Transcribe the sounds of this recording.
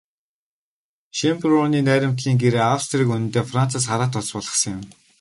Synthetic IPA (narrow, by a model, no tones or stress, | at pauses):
ʃemprʊniːnæːɾʲɪ̆m̥t̪ɮiːŋɡeɾeːawst̪riːkunɘ̆nt̪eːfran̥t͡saːs̬χaɾaːt̪ɔt͡spɔɮʁə̥̆χsə̆ŋjɪ̆m